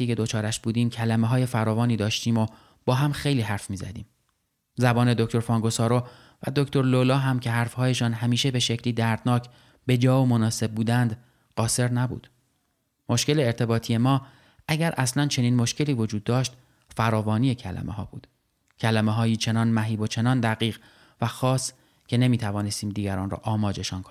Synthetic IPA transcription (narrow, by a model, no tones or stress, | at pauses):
tiːcʰe̞d̪ot͡ʃʰɒːɾæʃb̥uːd̪iːmcʰælæmeɦɒːje̞fæɾɒːvɒːniːd̪ɒːʃt̪iːmo | b̥ɒːɦæmxe̞jliːɦæɾfmiːzæ̰d̪ḭːm | zæbɒːne̞d̪o̞cʰt̪o̞ɾfɒːŋɡosɒːɾo | væ̰d̪okt̪ʰo̞ɾlolɒːɦæmcʰe̞ɦæɾfhɒːje̞ʃɒːnɦæmiːʃe̞be̞ʃe̞cʰliːd̪æɾd̪nɒːcʰ | be̞d͡ʒɒːomonɒːse̞b̚buːd̪ænd̪ | ɢ̥ɒːse̞ɾnæbṵːd̪̥ | mo̞ʃce̞leːɾt̪ʰe̞bɒːt̪ʰije̞mɒː | ʔæɟæɾʔæslænt͡ʃʰe̞niːnmo̞ʃcʰe̞liːvo̞d͡ʒuːd̪ːɒːʃt̪ | fæɾɒːvɒːniːe̞cʰælæ̰mʔḛhɒ̰ːbṵːd̪̥ | cʰælæmeɦɒːjiːt͡ʃʰe̞nɒːnmæɦiːbo̞t͡ʃʰe̞nɒːnd̪æɣiːɣ | væxɒːs | cʲʰe̞ne̞miːt̪ʰævɒːne̞st̪iːmd̪iːɡɟæɾɒːnrɒ̰ːʔɒːmɒːd͡ʒe̞ʃɒnkʰonii